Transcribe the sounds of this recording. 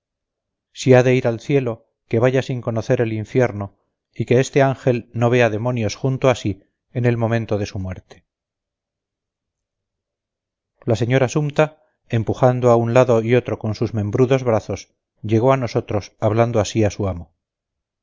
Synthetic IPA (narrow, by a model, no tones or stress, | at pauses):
siaðe̞iɾalθje̞lo̞ | ke̞βaʝasiŋko̞noθe̞ɾe̞liɱfje̞ɾno̞ | ike̞est̪e̞aŋxe̞lno̞β̞e̞aðe̞mo̞njo̞sxunt̪oasi | ene̞lmo̞mẽnt̪o̞ðe̞sumwe̞ɾt̪e̥ | lase̞ɲo̞ɾasumt̪a | e̞mpuxand̪oaunlaðo̞io̞t̪ɾo̞ko̞nsuzmẽ̞mbɾuðo̞zβɾaθo̞s | ʎe̞ɣo̞ano̞so̞t̪ɾo̞saβland̪oasiasuamo̞